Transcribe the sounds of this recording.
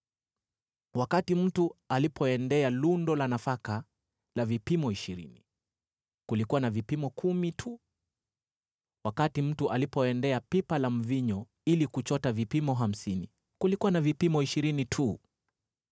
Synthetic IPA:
wakatim̩tualipʰɔɛndɛalundɔlanafaka | lavipimɔiʃiɾḭni | kulikuwanavipimɔkʰumitʰu | wakatim̩tuʔalipɔɛndɛapipalam̩viɲɔ | ilikut͡ʃɔtavipimɔɦam̩sini | kulikuwanavipimɔiʃiɾinitʰu

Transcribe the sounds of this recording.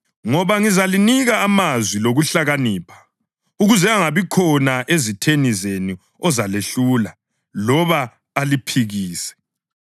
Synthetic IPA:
ŋɔβaŋizaliniɣaːmazwiloɣuɬaɣaniːpʰḁ | uɣuzɛaŋaβikʰɔnaʔezitʰenizeni | ɔzaleɬula | lɔβaː | lipʰiɣiːsɛ̥

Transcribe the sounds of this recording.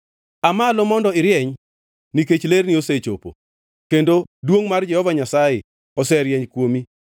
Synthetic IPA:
amalomɔndɔɪɾjɛɲ | niket͡ʃlernioset͡ʃo̰po̰ | kendodwoŋmard͡ʒɛhɔvaɲasaje | ɔsɛɾjɛɲkwomi

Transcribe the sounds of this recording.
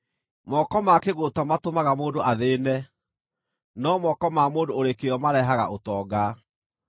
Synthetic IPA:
mɔkɔmakeɣotamatomaɣamoːndoʔaðeːnɛ | nɔmɔkɔmamoːndooɾekeɔmaɾɛɦaɣa̰ʔotɔːɡa

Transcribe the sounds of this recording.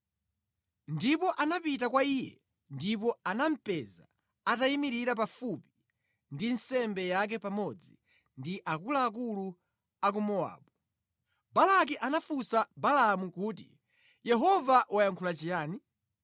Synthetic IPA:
ndipɔʔanapitakwaiːjɛ̰ | ndip̬ɔanam̩pɛza̰ | ataimiɾiɾapafupi | ndinsɛmbɛjak̬ɛpamɔd͡zi | ndiʔakulaːk̬ulu | ak̬umɔa̰ːɓu | balak̬iʔanafusabalamukuːtḭ | jɛɦɔvaʔwajaŋkʰulat͡ʃijaːni

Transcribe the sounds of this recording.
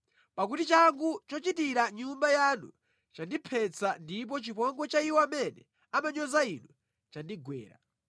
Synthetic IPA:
pak̬utit͡ʃaŋɡut͡ʃɔt͡ʃitiɾaɲumbajanṵ | t͡ʃandipʰɛt͡sandip̬ɔt͡ʃipɔŋɡɔt͡ʃaiwɔamɛnɛ | amaɲɔzainu | t͡ʃandiɡwɛ̰ːɾa̰

